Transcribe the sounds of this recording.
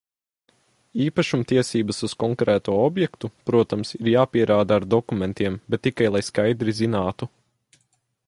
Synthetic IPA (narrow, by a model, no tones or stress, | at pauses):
iːpaʃumt̪iɛsiːbɐsuz̥kɔŋkɾɛːt̪uɔɔbjɛkt̪upɾuɔt̪amsiɾjaːpiɛɾʔaːd̪aːɾd̪ɔkumɛnt̪iɛmbɛt̪ːikajlˠajskajd̪ɾizinaːt̪u